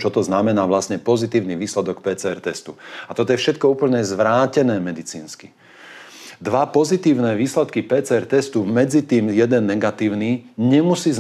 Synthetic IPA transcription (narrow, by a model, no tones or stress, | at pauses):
t͡ʃɔt̪ɔznamɛnaːʋlasɲɛpɔzit̪iːʊniʋiːslɛd̪ɔk̚pɛːt͡sɛːɛɾt̪ɛst̪uat̪ɔt̪ɔjɛfʃɛt̪̚kɔuːpl̩ɲɛzʋɾaːcɛnɛːmɛd̪it͡sḭːnski | d̪ʋapɔzit̪iːʊnɛːʋiːslɛt̪kipɛːt͡sɛːɛɾt̪ɛst̪umɛd͡zit̪iːmjɛd̪ɛnːɛɡat̪iːʊniːɲɛmusiːz